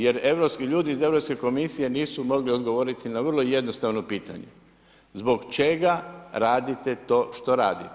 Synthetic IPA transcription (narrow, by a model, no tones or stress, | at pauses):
je̞ɾe̞ʋɾo̞pskiʎuːd̪iːze̞ʋɾo̞pske̞ko̞misije̞niːsumo̞ɡlio̞d̪ɡo̞ʋo̞ːɾit̪inaʋr̩lˠo̞je̞d̪no̞st̪aʋno̞piːt̪a̰ɲḛ | zbo̞ɡt͡ʃe̞ɡaɾaːd̪it̪e̞t̪o̞ːʃt̪o̞ɾaːd̪it̪